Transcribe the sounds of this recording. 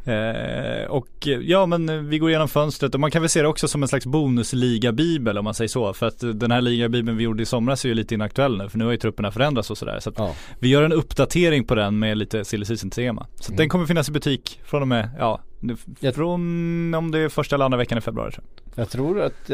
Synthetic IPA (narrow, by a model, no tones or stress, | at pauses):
ɔkjɑːmɛnvɪɡoːɾjeːnɔmfœnst̪ɾət̪ɔmankʰanvɛlseːd̪ɛɔksɔsɔmɛnslaksbuːnɵsliːɡabiːbəlɔmːansɛjːəʂɔfœɾat̪d̪ɛnhæːɭiːɡabiːbəlnvɪjuɖəɪsɔmːɾasæɾjʉliːt̪əɪnːaakt̪ɵɛlːnʉ̟ːfœɳʉ̟ːhajɵt̪ʰɾɵpːəɳafœɾɛnd̪ɾat̪sɔsɔd̪æ̰ːɾsɔat̪ | vɪjœːɾɛnɵpːd̪at̪ʰeːɾɪŋpʰɔd̪ɛnmɛliːt̪əsɪlːɪs̬iːsɪnt̪ʰeːma̰sat̪d̪ɛnkʰɔmːəɾfɪnːasɪbɵt̪ʰiːkfɾɔnmɛjɑ̰ː | fɔnɔmd̪ɛːfœʂʈaɛləand̪ɾavɛkːanɪfɛbɾʉɑ̰ːɾɪtʰɾ̰ | jɑt̪ʰɾuːɾat̪